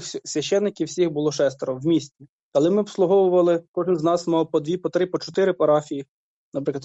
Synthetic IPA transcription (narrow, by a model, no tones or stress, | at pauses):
sʲʋʲɐʃɛnːɪkʲiwsʲixbʊlˠɔʃɛst̪eɾɔwmʲisʲt͡sʲi | kɐlˠɛmɪɔpslˠʊɦɔwʊʋɐlˠɪkɔʒɪnznɑsmɑwpɔd̪ʋʲipɔt̪ɾɪpɔt͡ʃɔt̪ɪɾɪpɐɾɑfʲiji | nɐpɾɪklˠɐd̪